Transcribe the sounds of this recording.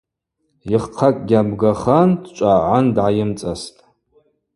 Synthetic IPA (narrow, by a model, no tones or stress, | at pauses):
iχqʰakʼɡʲabɡaχandt͡ʃʷʼaʕʷandʕajɪmt͡sʼastʼ